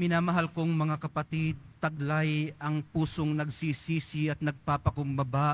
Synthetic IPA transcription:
mɪnaːmɐɦalkoŋmɐŋakɐpɐt̪id̪̚t̪ɐɡ̚lajɐŋpuːsoŋnɐɡsiːsiːsɪɐt̪̚nɐɡ̚paːpɐkʊmbɐba

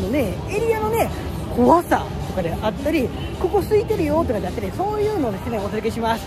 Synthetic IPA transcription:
no̞ne̞ | eɾʲiano̞ne̞ | ko̞βasa̰ | t̪o̞kad̪e̞ʔat̪ːaɾʲi | ko̞ko̞sɨit̪e̞ɾɯ̟jo̞ːt̪o̞kad̪e̞at̪ːaɾʲiso̞ːjɯ̟ːno̞ːd̪e̞sene̞o̞seɾɯkeɕimasɨ̥

